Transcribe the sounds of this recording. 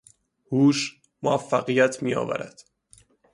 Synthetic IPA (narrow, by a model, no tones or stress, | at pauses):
huːʃ | moæfːæɣijæt̪ʰmijɒ̰ːvæ̰ɾæ̰d̪̥